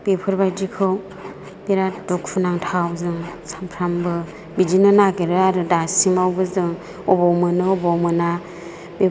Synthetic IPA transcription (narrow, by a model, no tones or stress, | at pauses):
b̥epʰɯɾbajd͡ʒikʰɯw | b̥eɾadukʰunaŋtʰawzɯŋsampʰɾambɯ | bid͡ʒinɯnaɡeɾɯaɾɯdasimawbɯzɯŋ | ɔbɔwmɯnɯɔbɔwmɯna | be